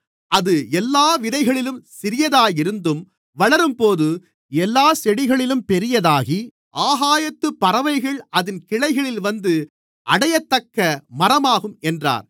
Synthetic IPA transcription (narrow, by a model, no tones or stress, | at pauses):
ɐðɯɛlːaːʋɪðɐɪɣɐɭɪlɯmsɪɾɪjɐðaːjɪɾɯnd̪ɯm | ʋɐɭɐɾɯmpoːðɯ | ɛlːaːsɛɽɪɣɐɭɪlɯmpɛɾɪjɐðaːɣi | ʔaːɣaːjɐt̪ːɯpːɐɾɐʋɐɪɣɐɭɐðɪnkɪɻɐɪɣɐɭɪlʋɐnd̪ɯ | ʔɐɽɐjɐt̪ːɐkːɐmɐɾɐmaːɣɯmɛndra̰ːɾ